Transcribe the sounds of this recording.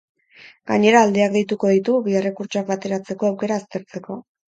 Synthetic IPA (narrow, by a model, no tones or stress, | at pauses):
ɡaɲe̞ɾaːld̪eakd̪ejt̪uko̞ðit̪uβiere̞kuɾt͡ʃoak̚βat̪e̞ɾat͡se̞ko̞awke̞ɾaːst̪e̞ɾt͡se̞ko̞